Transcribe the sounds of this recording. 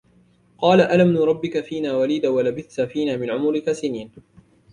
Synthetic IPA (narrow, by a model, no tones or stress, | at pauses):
qɑːlaʔalamnuːɾˤɑbːɪkafiːnaːwaliːd̪awalabɪθt̪afiːnaːmɪnʕʊmʊɾɪkasɪniːn